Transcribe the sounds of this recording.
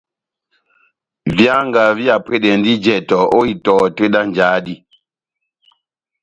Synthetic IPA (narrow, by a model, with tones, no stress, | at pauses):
vja˦ŋɡa˨vi˦a˨pe˦ɗɛ˨ndi˦d͡ʒɛ˨tɔ˨o˦i˨tɔː˨te˦ɗa˦n˨d͡ʒaː˨˦di˦